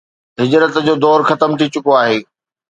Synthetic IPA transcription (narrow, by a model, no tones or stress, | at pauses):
ɦɪd͡ʑɾət̪d͡ʑoːd̪ɔːɾxɐt̪əmt̪ʰit͡ɕʊkoaːɦeː